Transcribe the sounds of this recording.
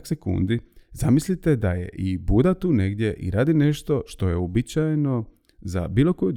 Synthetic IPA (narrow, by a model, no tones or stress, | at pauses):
ksekṵnd̪izamislit̪ed̪ajḛʔibud̪at̪uːne̞ɡd̪je̞ʔḭɾaːd̪ine̞ʃt̪o̞ʃt̪o̞je̞obit͡ɕajno̞ | za̰biːlˠo̞koju